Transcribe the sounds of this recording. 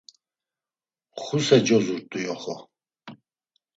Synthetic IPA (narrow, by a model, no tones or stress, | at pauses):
χusɛd͡ʒɔzuɾt̪ʼujɔχɔ